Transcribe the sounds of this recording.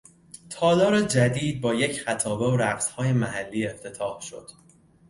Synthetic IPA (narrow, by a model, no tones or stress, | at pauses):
t̪ʰɒːlɒːɾed͡ʒæd̪iːd̪̚bɒːjecχæt̪ʰɒːbe̞oɾæɡshɒːje̞mæhælːiːe̞ft̪ʰe̞t̪ʰɒːhʃo̞̰d̪̥